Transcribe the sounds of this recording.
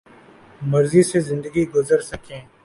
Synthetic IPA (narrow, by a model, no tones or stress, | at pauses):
mɐɾzisezɪ̃nd̪əɡiɡʊzəɾsɐkẽː